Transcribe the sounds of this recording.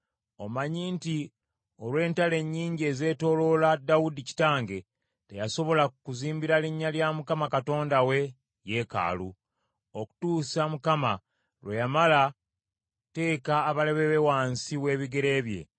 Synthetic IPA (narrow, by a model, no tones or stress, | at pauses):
o̞maɲiːnti | o̞lwe̞ːntale̞ɲːiːɲɟie̞ze̞ːto̞lo̞ladawudici̥taːŋɡe̞ | te̞jaso̞βo̞lakuziːmbiɾaliɲːaljamukamakato̞ːndawe̞ | je̞ka̰ːlu | oku̥tuːsamukama | lwejamala | te̞ːkaːβale̞βeβewaːnsiwe̞ːβiɡe̞ɾe̞ːβje̞̰